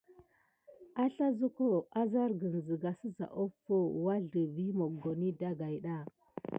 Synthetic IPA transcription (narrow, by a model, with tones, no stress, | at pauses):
a˦ɬa˦zu˦ko˦a˦za˦ɾɡə˨n˨zə˨ɡa˨sə˦za̰˨ʔo˦fo˦wa˦ɮdə˨vi˦mo˨ɡo˨ni˦da˦ɡa˨jɗa˦˨